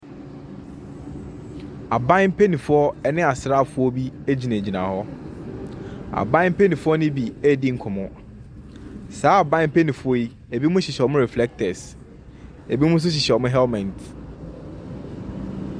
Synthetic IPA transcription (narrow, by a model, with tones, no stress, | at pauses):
a˨bã˦m̩˦pʰe˦nĩ˨fʊ˦ɔ˦ɛ˦nɪ̃˦a˨sɾa˦˨fʊ˦ɔ˦bi˦e˦d͡ʑi˨nã˨d͡ʑi˨nã̰˨hɔ˦ | a̰˨bã˦m̩˦pʰe˦nĩ˨fʊ˦ɔ˦nɪ̃˦bi˨ɛ˦dɪ˦ŋ̩˨kʰʊ˨mʊ̃˦ | saː˨˦a˨bã˦m̩˦pʰe˦nĩ˨fʊ˦ɔ˦i˦ | e˨bi˦mʊ̃˦ɕɪ˨ɕɛ˨ɔ˨mʊ̃˦ɾɛ˨flɛ˦k̚tʰɛ˨s | e˨bi˦mʊ̃˦n̩˦s̬ʊ˦ɕ̬ɪ˨ɕɛ˨ɔ˨mʊ̃˦ɦɛ˦lmɛ̃˨nt